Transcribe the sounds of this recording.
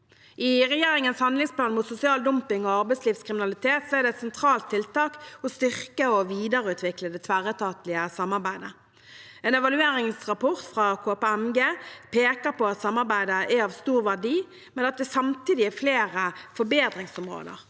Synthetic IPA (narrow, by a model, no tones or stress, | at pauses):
ʔɪʁɛjeːɾɪŋənshɑnd̪lɪŋsplɑːnmuːt̪sʊsɪɑːld̪ʊmpɪŋɔɑʁbæɪtsliːʋskʰɾɪmɪnɑlɪt̪ʰeːt̪sɔɛɾd̪ɛɛt̪sɛnt̪ʰɾɑːlt̪ʰːɪlt̪ɑːkɔst̪ʏʁkəɔʋiːd̪əʁəʉːt̪ʰʋɪkləd̪ɛt̪ʰʋæɾət̪ʰɑːt̪lɪəsɑmːɑɾbæɪd̪ə | ɛːnɛʋɑlʉeːɾɪŋsʁɑpʰɔʁt̪fʁɑkʰoːpɛɛmɡeːpʰeːkəɾpɔɑt̪sɑmːɑʁbæɪd̪əʔæɑʋst̪uːʁʋæʁdiː | mɛnɑt̪̚d̪ɛsɑmt̪iːd̪ɪæfleːʁəfɔɾbeːd̪ɾɪŋsɔmʁo̰ːd̪ə̰ʁ